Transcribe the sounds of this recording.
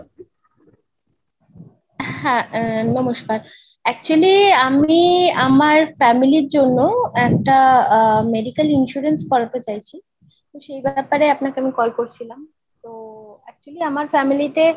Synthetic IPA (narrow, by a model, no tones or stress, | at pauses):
hɛ̃nɔmoʃkaɾ | ɛk̚t͡ɕualiamiamaɾfɛmiliɾd͡ʑonːoɛk̚ʈameɖikalinʃuɾenskɔɽat̪et͡ɕajt͡ɕʰi | t̪oʃejbɛpaɾeapnakeamikɔlkoɾt͡ɕʰilam | t̪oɛk̚t͡ɕualiamaɾfɛmilit̪e